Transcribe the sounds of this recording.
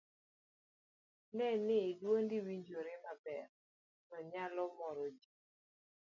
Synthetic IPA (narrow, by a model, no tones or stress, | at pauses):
nɛnɪːdwondiwiɲd͡ʒoɾɪmabɛɾ | nɔɲalɔmɔɾɔd͡ʒi